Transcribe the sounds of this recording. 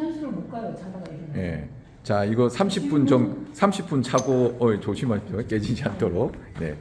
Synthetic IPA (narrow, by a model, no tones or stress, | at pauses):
sʰɾomok͈at͡ɕʰaɡje̞̰ | t͡ɕaiɡʌsʰamɕʰip͈unt͡ɕʌmsʰamɕʰip͈unt͡ɕʰaɡoet͡ɕoɕʰimat͡ɕok͈e̞d͡ʑid͡ʑiantʰoɾok̚ne̞̰